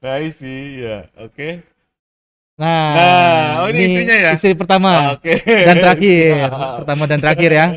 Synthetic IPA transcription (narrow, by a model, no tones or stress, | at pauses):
naisijaoke | nanaoiinisiɲajaisɾip̬ərt̪amaokedant̪əɾakɪrpərt̪amadant̪əɾakɪɾja